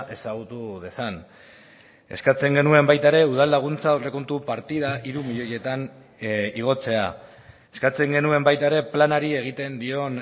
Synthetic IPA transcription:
ʔe̞saɣut̪uðe̞san | e̞̰skat͡se̞ŋɡe̞nue̞mbajt̪aeɾe̞uð̞alːaɣ̞unt͡saore̞ko̞nt̪upaɾt̪iðaʔiɾumiʎo̞je̞t̪an | iɣ̞o̞t͡se̞a | e̞̥skat͡se̞ŋɡe̞nue̞mbajt̪aeɾe̞planaɾie̞ɣ̞it̪e̞nd̪io̞n

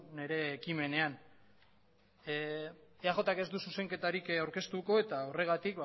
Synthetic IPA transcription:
ne̞ɾe̞ːkime̞ne̞an | eaʝo̞t̪ake̞zd̪ususe̞ŋke̞t̪aɾikawɾke̞st̪uko̞e̞t̪aore̞ɣ̞at̪ikb

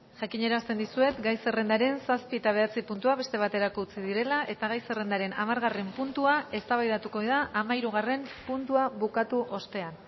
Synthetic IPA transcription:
ʝakiɲe̞ɾast̪e̞nd̪isue̞t̪ɡajse̞re̞nd̪aɾe̞nsaspiet̪aβ̞e̞at͡sipunt̪uaβe̞st̪e̞βat̪e̞ɾako̞ut͡siðiɾe̞laʔe̞t̪aɣajse̞re̞nd̪aɾe̞na̰maɾɣare̞mpunt̪uae̞st̪aβajðat̪uko̞iðaʔamaiɾuɣ̞are̞mpunt̪uaβukat̪uʔo̞st̪e̞an

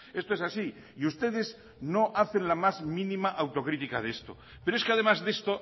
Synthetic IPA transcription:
e̞st̪oesasi | iust̪e̞ð̞e̞z | no̞ʔaθe̞nlamazmĩnĩmaʔawt̪o̞kɾit̪ika̰ð̞e̞st̪o̞̰ | peɾoeskeaðe̞mazðe̞st̪o

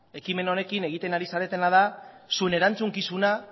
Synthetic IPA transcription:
e̞kime̞no̞ne̞kine̞ɣ̞it̪e̞naɾisaɾe̞t̪e̞nað̞a | sue̞ne̞ɾant͡suŋkisuna

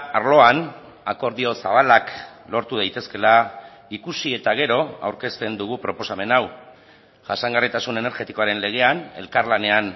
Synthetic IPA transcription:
aɾlo̞an | ako̞ɾðio̞saβ̞alak | lo̞ɾt̪uð̞ajt̪e̞ske̞la | ikusie̞t̪aɣe̞ɾo̞a̰wɾke̞st̪e̞nd̪uɣ̞upɾo̞po̞same̞naw | ʝasaŋɡarit̪asune̞ne̞ɾɣe̞t̪iko̞aɾe̞nle̞ɣ̞e̞ane̞̰lkaɾlane̞an

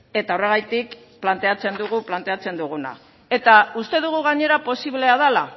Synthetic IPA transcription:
e̞t̪ao̞re̞ɣ̞ajt̪ik | plant̪e̞at͡se̞nd̪uɣ̞uplant̪e̞at͡se̞nd̪uɣ̞una̰ | e̞t̪aust̪e̞ðuɣuɣ̞aɲe̞ɾapo̞siβle̞aðala

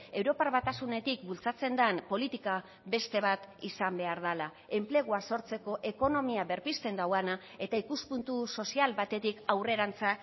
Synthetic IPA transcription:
e̞wɾo̞paɾβat̪asune̞t̪ikbult͡sat͡se̞nd̪anpo̞lit̪ika | be̞st̪e̞β̞at̪isambe̞aɾðala | e̞mple̞ɣ̞uaso̞ɾt͡se̞ko̞ʔe̞ko̞no̞miaβe̞ɾpist̪e̞nd̪awana | e̞t̪aikuspunt̪uso̞sialβat̪e̞t̪ikawre̞ɾant͡sa

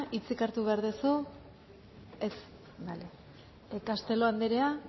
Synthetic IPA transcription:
ʔit͡sikaɾt̪uβe̞aɾðesu | es | bale | ekast̪e̞lo̞and̪eɾea

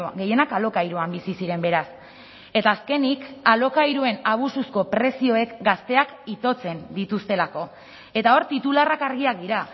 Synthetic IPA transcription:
ɡe̞je̞nakalo̞kajɾuambisisiɾe̞mbe̞ɾas | e̞t̪aːske̞nikalo̞kajɾue̞naβ̞ususko̞pɾe̞sio̞e̞kɡast̪e̞akit̪o̞t͡se̞nd̪it̪ust̪e̞lako̞ | e̞t̪ao̞ɾt̪it̪ularakaɾɣiak̚d̪iɾa

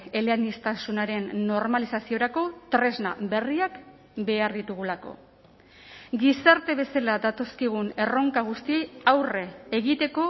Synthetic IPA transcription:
eleanist̪asunaɾe̞nːo̞ɾmalisasio̞ɾako̞t̪ɾe̞zna̰be̞riak | be̞aɾðit̪uɣ̞ulako̞̰ | ɡisaɾt̪e̞β̞e̞salad̪at̪o̞skiɣ̞une̞ro̞ŋkaɣ̞ust̪ie̞jawre̞ːɣit̪e̞ko̞

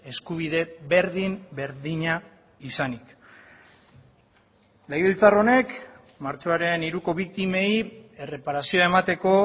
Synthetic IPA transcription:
e̞skuβ̞iðe̞βe̞ɾðimbe̞ɾðiɲa | isanik | lejβilt͡saro̞ne̞k | maɾt͡ʃo̞aɾe̞niɾuko̞βik̚t̪ime̞jere̞paɾasio̞aemat̪e̞ko̞

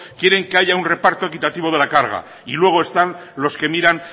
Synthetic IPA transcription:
kje̞ɾe̞ŋke̞aʝaunre̞paɾt̪o̞e̞kit̪at̪iβ̞o̞ð̞e̞lakaɾɣ̞a̰ | ilwe̞ɣ̞o̞est̪anlo̞ske̞miɾan

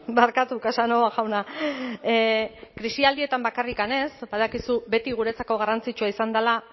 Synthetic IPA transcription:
baɾkat̪ukasanoaɣawna | kɾisiald̪ie̞t̪ambakarikane̞sbað̞akisube̞t̪iɣ̞uɾe̞t͡sako̞ɣ̞arant͡sit͡ʃuaisand̪ala

